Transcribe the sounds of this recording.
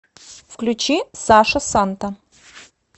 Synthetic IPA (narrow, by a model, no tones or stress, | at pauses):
fklʲʉt͡ɕisaʂɐsant̪ɐ